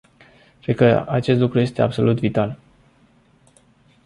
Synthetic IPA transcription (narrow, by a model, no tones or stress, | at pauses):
kɾed̪̚kəat͡ʃe̞st̪lukɾuje̞st̪e̞a̰bso̞̰lut̪vit̪al